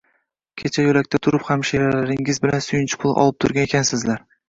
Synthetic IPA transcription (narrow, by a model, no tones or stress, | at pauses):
kʲʰet͡ʃʰajolakʲt̪ʰat̪ʰʊɾɪphamʃeɾalaɾɪŋɪzbɪlansʊjɪnt͡ʃʰɪ̥pʰʊlˠʔɒ̰lˠɪp̚t̪ʰʊɾɡʲanekʲʰansɪzlaɾ